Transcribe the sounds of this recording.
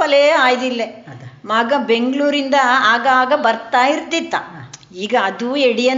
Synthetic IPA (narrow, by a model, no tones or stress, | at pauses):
ɐlɐjɐaːjd̪ilːemaːɡɐbe̞ŋɡɭuːɾind̪ɐaːɡaːɡɐbɐɾt̪aːjiɾt̪ːit̪ːɐ | iːɡɐːd̪ueɽijɐn